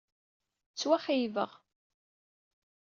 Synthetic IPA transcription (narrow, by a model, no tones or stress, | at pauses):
t͡sːwæχijvəʁ